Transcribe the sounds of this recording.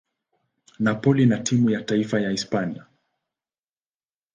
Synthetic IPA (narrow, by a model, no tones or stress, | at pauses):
napɔlinatʰimujataifajaispania